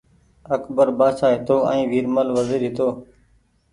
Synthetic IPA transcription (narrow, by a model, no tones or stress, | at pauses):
əkbəɾbaːʃaːɦɪt̪oːɛ̰̃ːʋiːɾməlʋəziːɾɦɪt̪oː